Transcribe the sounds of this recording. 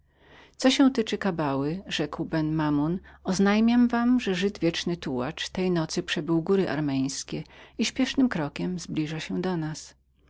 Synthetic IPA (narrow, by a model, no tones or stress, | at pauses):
t̪sɔɕɛ̃w̃t̪ɘt͡ʂɘkabawɘʐɛkwbɛnmamunɔznajmʲjamvamʐɛʐɘd̪vʲjɛt͡ʂnɘt̪uwa̰t͡ʂt̪ɛjnɔt̪sɘpʂɛbɘwɡuɾɘʔa̰ɾmʲɛj̃skʲɛiɕpʲjɛʂnɘmkɾɔkʲɛmzblʲiʐaɕɛd̪ɔnas